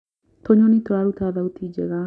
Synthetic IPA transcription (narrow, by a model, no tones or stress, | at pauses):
t̪ʰɔɲɔnit̪ɔaɾut̪aðawt̪id͡ʒɛɣa